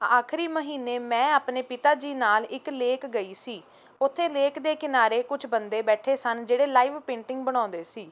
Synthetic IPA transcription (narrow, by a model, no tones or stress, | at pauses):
aːkʰɾiːməɦiːneːmɛ̃ːaːpneːpɪt̪aːd͡ʒiːnaːlɪkleːkɡəiːsiː | ʊt̪ʰːeːleːkd̪eːkɪnaːɾeːkʊt͡ʃʰbənd̪eːbɛːʈʰeːsənd͡ʒeːɽeːlaːiːʋpẽːɳʈɪ̃ŋɡbəɽ̃ãːnd̪eːsiː